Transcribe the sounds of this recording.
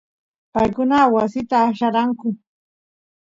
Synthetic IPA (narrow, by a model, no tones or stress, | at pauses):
pajkʊnawasɪt̪aʃaɾaŋkʊ